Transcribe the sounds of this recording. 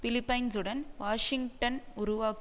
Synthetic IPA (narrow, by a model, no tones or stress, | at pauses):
fɪlɪpːɐɪnsɯɽɐnʋaːʂɪŋɡʈɐnʊɾʊʋaːk